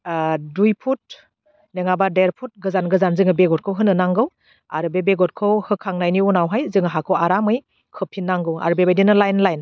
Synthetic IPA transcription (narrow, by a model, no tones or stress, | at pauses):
dujpʰut̚ | neŋabadeɾpʰut̚ɡɯzanɡɯzanzɯŋɯbeɡɔt̚kʰɯwɦɯnɯnaŋɡɯw | a̰ɾɯbebeɡɔt̚kʰɯwhɯkʰaŋnajniunawɦajzɯŋaɦakʰɯwaɾamɯj | kʰɯpʰinːaŋɡɯwa̰ɾɯbebajdinɯlajnlajn